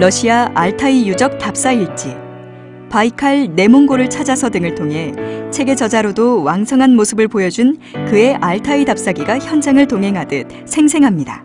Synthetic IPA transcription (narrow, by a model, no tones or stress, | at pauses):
ɭʌɕʰiaaɭtʰaijud͡ʑʌk̚tap̚s͈aiɭt͡ɕ͈i | paikʰaɭne̞moŋɡoɾɯɭt͡ɕʰad͡ʑasʰʌdɯŋɯɭtʰoŋɦe̞t͡ɕʰe̞ɡe̞d͡ʑʌd͡ʑaɾodowaŋsʰʌŋɦanmosʰɯbɯɭpojʌd͡ʑunkɯe̞ʔaɭtʰaidap̚s͈aɡiɡaçjʌnd͡ʑaŋɯɭtoŋɦe̞ŋɦadɯt̚ | sʰe̞ŋsʰe̞ŋɦamɲida̰